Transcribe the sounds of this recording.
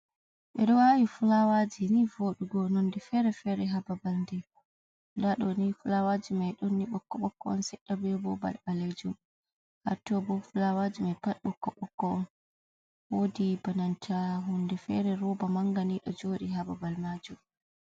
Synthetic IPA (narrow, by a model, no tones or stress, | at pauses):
ɓɛɗɔwawifulawad͡ʒinivoɗuɡɔnondɛfɛɾɛfɛɾɛɦababalndɛ | ndaɗɔnifulawad͡ʒimajɗonːiɓɔkːɔɓɔkːɔɔnsɛɗːabɛbɔba̰lbaled͡ʒum | ha̰tɔbɔfulawad͡ʒimapaɗːɔkːɔɓɔkːɔɔn | wodibanantʰahundɛfɛ̰ɾɛɾɔbamaŋɡaniɗɔd͡ʒoɗiɦababalmad͡ʒum